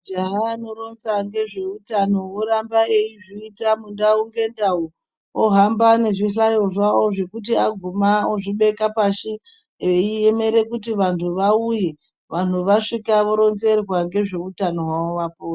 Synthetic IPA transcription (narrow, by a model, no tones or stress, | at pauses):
d͡ʒaɦaːno̞ɾo̞nzaŋɡe̞ʐe̞utano̞oɾambae̞iʐiitamundauŋɡe̞ndau | oɦambane̞ʐiɬajo̞ʐao̞ʐe̞kut̬iaɡʱumaoʐiɓe̞kapaʃi | eieme̞ɾe̞kutiʋantʰuʋauje | ʋan̤uʋaʂikaʋo̞ɾo̞nze̞rwaŋɡe̞ʐe̞utano̞ɦwaoʋapoːra